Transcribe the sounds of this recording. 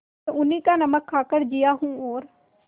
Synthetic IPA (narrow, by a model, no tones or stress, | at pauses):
ʊnĩːkaːnəməkʰːaːkəɽd͡ʒɪjaːɦũːoːɾ